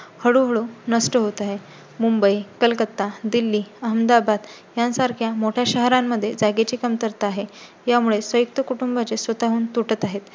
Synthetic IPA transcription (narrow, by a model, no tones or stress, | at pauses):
həɽuɦəɭunəsʈəɦot̪aɦe | mumbəikəlkət̪ːad̪ilːiːəɦəmd̪abad̪ | jansaɾkʰjamoʈʰjaɕəɦɾamːəd̪ʱːjed͡zaɡet͡ɕikəmt̪əɾt̪aɦe | jamuɭesʋəjuk̚t̪əkuʈumbat͡sesʋət̪aɦuːnt̪uʈət̪aɦet̪